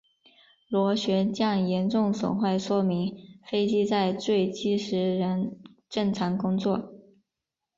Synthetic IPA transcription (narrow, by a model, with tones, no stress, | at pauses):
lwɔ˧˥ɕɥɛ˧˥t͡ɕjɑ˥˩ŋjɛ˧˥nʈ͡ʂʊ˥˩ŋswʊ̰˨˩ŋxwa˥˩ɪʂwɔ˥mi˧˥ŋfe˥ɪt͡ɕi˥t͡sa˥˧ɪʈ͡ʂwe˥˩ɪt͡ɕi˥ʂɻ̩˧˥ɻə˧˥n | ʈ͡ʂɤ˥˩ŋʈ͡ʂʰɑ˧˥ŋkʊ˥ŋt͡swɔ˥˩